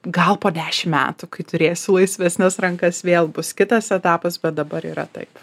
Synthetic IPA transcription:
ɡɐlˠpoːd̪ʲæːʃʲɪmmʲæ̰ːt̪ukɐɪt̪ʊɾʲeːjsʲʊlˠɐɪsʲʋʲɛsʲnʲɛsɾɐŋkɐsʋʲeːlˠbʊskʲɪt̪ɐsɛt̪ɑːpɐsbʲɛt̪̚d̪ɐbɐɾiːɾɐ̰t̪ɐ̰ɪp

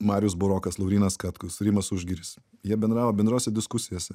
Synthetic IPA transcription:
mɑːɾʲɪjʊs̬bʊɾoːkɐslˠɐʊɾʲiːnɐskɑt̪kʊsɾʲimɐsʊʒʲɡʲiːɾʲɪs | jiɛbʲɛnd̪ɾɑːʋoːbʲɛnd̪ɾoːsʲɛd̪ʲɪskʊsʲɪjoːsʲɛ

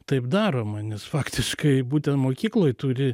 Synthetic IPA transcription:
t̪ɐɪpd̪ɑːɾoːmɑnʲɛsfɑːkt̪ʲɪʃkɐɪbuːt̪ʲɛnt̪moːkʲiːklˠoːjt̪ʊɾʲɪ

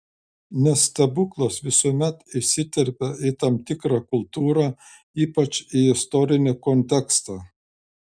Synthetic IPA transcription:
nʲɛst̪ɐbʊklˠoːsʋʲɪsoːmʲɛt̪ɪʃsʲɪt̪ʲɛɾʲpʲɛɪt̪ɐmt̪ʲɪkɾɑkʊlˠt̪uːɾɑ | iːpɐt͡ʃiɪst̪ɔɾʲɪnʲɪkɔnʲt̪ʲɛkst̪ɑː

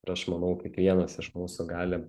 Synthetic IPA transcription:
ɪɾɐʃmɐnɐʊkʲikʋʲiɛnɐsɪʃmuːsʊɡɑːlʲɪ

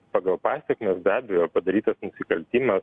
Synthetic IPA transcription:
pɑːɡɐlˠpɑːsʲɛkmʲeːsbʲæːbʲɛjoːpɐd̪ɐɾʲiːt̪ɐsnʊsʲɪkɐlʲt̪ʲiːmɐs

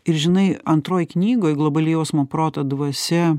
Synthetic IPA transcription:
ɪɾʒʲɪnɐɪɐnt̪ɾoːjknʲiːɡoːjɡlˠobɐlʲijoːsmopɾoːt̪ɐd̪ʋɐsʲɛ

